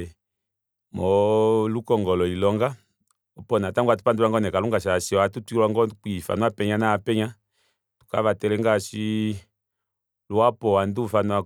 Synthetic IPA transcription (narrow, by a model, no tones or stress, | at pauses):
mɔlukɔŋɡɔlɔilɔŋɡa | ɔpɔnataŋɡwatu̥panduwaŋɡɔnɛkaluŋɡaʃ̬asiɔatutilwaŋɡɔkifa̰nuapɛɲanaapɛɲa | tu̥ka̰βatɛlɛŋɡaʃi | luapɔandufanua